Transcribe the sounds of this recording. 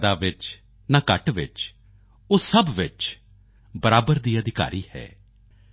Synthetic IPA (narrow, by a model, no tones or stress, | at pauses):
d̪aːʋɪt͡ʃ | naːkəʈʋɪ̰t͡ʃ | ʊsəbʋɪt͡ʃ | bəɾaːbəɾd̪iːəd̪ɪka̰ːɾʔiːhɛ̰ː